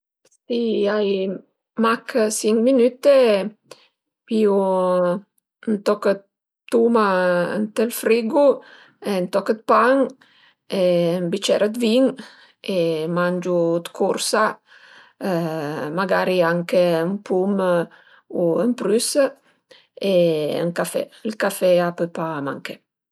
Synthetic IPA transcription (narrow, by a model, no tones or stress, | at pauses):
siaj | makəsiŋminyt̪e | piu | nt̪ɔkə | t̪umaə̰nt̪ɛlfɾiɡu | ɛnt̪ɔkət̪̚paŋ | embit͡ʃɛɾəd̪viŋ | emand͡ʒud̪kʰuɾsa | maɡaɾiaŋkeəmpum | uəmpɾysə | eə̰ŋkafɛ̰ilkafɛapøpama̰ŋkɛ